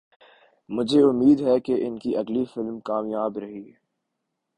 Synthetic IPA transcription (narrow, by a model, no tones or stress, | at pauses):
mʊd͡ʒʱeʊmːiːd̪ɦɛkeʔɪnkiʔɐɡlifɪlmkaːmjaːbɾɐɦiɦɛ